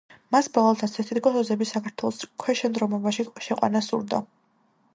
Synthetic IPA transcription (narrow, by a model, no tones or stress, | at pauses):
masbavalˠt̪ʰasʰɛt̪ʰit̪kʼɔsɔzɛbisakʰaɾt̪ʰwɛlˠɔskʰwɛʃɛnd̪ɾɔmɔbaʃiʃɛqʼwa̰nasṵɾd̪a̰